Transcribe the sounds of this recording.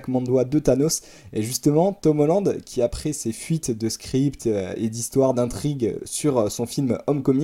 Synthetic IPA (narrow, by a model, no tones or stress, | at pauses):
kmɑ̃d̪wad̪øt̪anos | ɛʒyst̪əmɑ̃t̪ɔmɔlɑ̃d̪kʲiapχɛsefɥit̪d̪əskχipt̪øḛd̪ist̪waʁd̪ɛ̃t̪χiɡsyʁsɔ̃filmɔmkɔmĩ